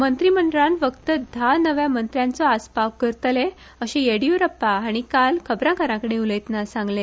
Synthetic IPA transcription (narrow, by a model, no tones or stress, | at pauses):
mənt̪ɾiməɳɖɭãnfəkt̪əd̪ʱanəʋjamənt̪ɾjãnt͡sɔaspaʋkəɾt̪le | əɕejeɽiuɾəpːaaɽ̃ikalkʰəbɾãkəɾãkəɽeuləjt̪nasãŋɡle